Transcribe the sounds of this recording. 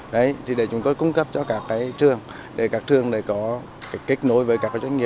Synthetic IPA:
ɗə˨˦jt̪ʰi˨˩ɗe˧˩t͡ɕʊ˨˦ŋ͡mt̪o˧jkʊ˨˦ŋ͡mkə˦˥p̚t͡ɕɔ˧kaː˦˥kːaː˨˦jt̪ʰɨ˧˩əŋ | ɗe˧˩kaː˨˦˥k̚t̪ʰɨ˧əŋɗe˧˩kɔ˨˦ | kːke˦˥t̚no˨˦jvəː˨˦jkaː˦˥kːaː˨˦t͡ɕwa˧˦ŋŋi˨ə˩

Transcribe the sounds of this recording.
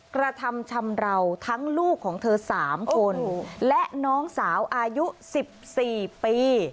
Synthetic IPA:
kɾa˧t̪ʰa˧mt͡ɕʰa˧mɾa˧wt̪ʰa˦˥ŋluː˥˩kʰːɔː˩˦ŋt̪ʰɤː˧saː˩˦mkʰo˧nlɛ˦˥ʔnɔː˦˥ŋsaː˩˦wʔaː˧ju˦˥si˨˩p̚siː˨˩piː˧

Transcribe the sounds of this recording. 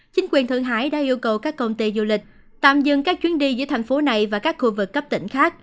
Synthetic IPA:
t͡ɕï˨˦ŋ̟kwi˨˩ənt̪ʰɨ̰˧˨əŋɦa̰ː˧˥jɗa̰ː˧˥ʔi˧əwkə˨˩wkaː˦˥kːə˧wŋ͡mt̪i˧zu˧lï˨˩k̟̚ | t̪a̰ː˧˨mzɨ̰˧˨ŋkaː˦˥k̚t͡ɕwi˨˦ənɗi˧zɨ̰˧˥ət̪ʰa˨˩ŋ̟fo˨˦na˨˩jvaː˨˩kaː˦˥k̚xu˧vɨ˨˩kːə˦˥p̚t̪ḭ˧˩ŋ̟xaː˦˥k̚

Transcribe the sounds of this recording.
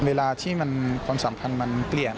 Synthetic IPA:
weː˧laː˧t̪ʰiː˥˩ma˧nkʰwaː˧msaː˩˦mpʰa˧nma˧nkli˨˩ən

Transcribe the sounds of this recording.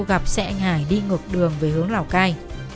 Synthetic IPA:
ɣa˨˩p̚sɛ̰˧˥ʔa˧jŋ̟haː˧˩jɗi˧ŋɨ˨˩ək̚ɗɨ˨˩əŋve˨˩hɨ˨˦əŋlaː˧˩wkaː˧j

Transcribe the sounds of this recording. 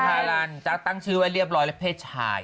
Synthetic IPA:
aː˧ɾa˧˩nt͡ɕa˨˧˩k̚t̪a˥˩ŋt͡ɕʰɯː˦˥wa˧˩ɾi˥˩əp̚ɾɔː˧˥jlɛ˦˥pʰeː˥˩t̪̚t͡ɕʰa̰ː˧˩j

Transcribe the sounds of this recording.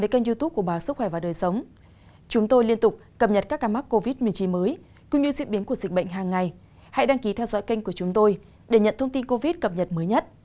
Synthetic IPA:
e˨˦ka˧jŋzu˧t̪u˦˥p̚ku˧˩ə˨ɓaː˨˦wsɨ˦˥k̚xwɛ˧˩vaː˨˩ɗəː˨˩jsə˨˦wŋ͡m | t͡ɕʊ˨˦ŋ͡mt̪o˧jli˧ənt̪ʊ˨˩k͡p̚kə˨˩p̚ɲə˨˩t̚kaː˦˥kːaː˨˧˦ma˦˥kko˧vi˦˥t̚mi˨˩ət͡ɕi˨˦nməː˨˦j | kʊ̰˧˥ŋ͡mɲɨ˧zḭ˧˥ɓi˨˦nku˧˩əzi̟˨˩ɓə̰˧˨jŋ̟ɦaː˨˩ŋːa˨˩j | ha̰˧˨jɗaː˧ŋki˨˦t̪ʰɛ˧wzɔ̰˧˥jka˧jŋ̟ku˧˩ət͡ɕʊ˨˦ŋ͡mt̪o˧j | ɗe˧˩ɲə̰˧˨nt̪ʰə˧ŋ͡mt̪i˧nko˧vi˦˥t̚kə˨˩p̚ɲə˨˩t̚məː˨˦jɲə˦˥t̚

